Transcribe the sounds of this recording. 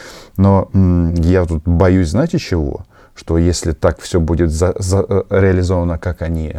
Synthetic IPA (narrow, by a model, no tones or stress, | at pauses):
no | jat̪ut̪bɐjusʲznatʲɪt͡ɕːɪvo̰ | ʂt̪o̞jesʲlʲɪt̪akfsʲobudʲɪt̪zəzəɾʲɪɐlʲɪzo̞vənəkakɐnʲi